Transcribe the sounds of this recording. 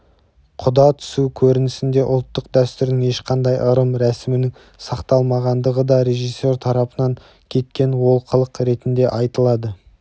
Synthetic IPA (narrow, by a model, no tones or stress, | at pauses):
qʰʊd̪ɑt̪ʰʏ̥sukʲʰɵɾɪnɪsɪnd̪e̞ʔʊlˠt̪ːəqd̪æst̪ʏɾd̪ɪŋe̞ʃqʰɑnd̪ɑjʔəɾəmɾæsɪmɪnɪŋ | sɑqt̪ɑlˠmɑʁɑnd̪əʁəd̪ɑɾe̞ʒijsːe̞ɾt̪ʰɑɾɑpənɑŋ | kʲʰe̞t̪̚kʲe̞nwo̞lˠqʰəlˠəqɾe̞t̪ɪnd̪e̞ʔɑjt̪əlˠɑd̪ə